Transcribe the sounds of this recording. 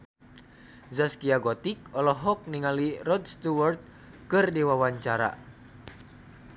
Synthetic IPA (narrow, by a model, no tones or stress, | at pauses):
zaskiaɡɔt̪ikɔlɔɦɔk̚niŋalirɔd̪st̪uwart̪̚ | kɨrdiwawaɲt͡ʃaɾa̰